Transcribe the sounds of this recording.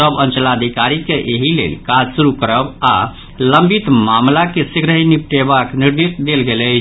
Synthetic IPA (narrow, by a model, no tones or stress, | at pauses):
əbə̃nt͡ʃəlad̪ʱikaɾikeʔeɦilḛlkad͡ʒsuɾukəɾəba̰ | ləmbit̪mamlakesiɡɾəɦinip̚ʈebakniɾd̪isd̪elɡelə